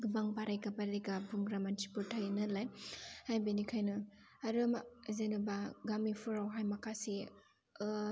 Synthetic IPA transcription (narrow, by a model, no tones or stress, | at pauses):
ɡubaŋpaɾajkapaɾiɡabuŋɡɾamantʰipuɾtʰajnɐlajhajbinikʰajnɐː | ɾɯmzenubaɡamipʰuɾawɦajmɐkʰasi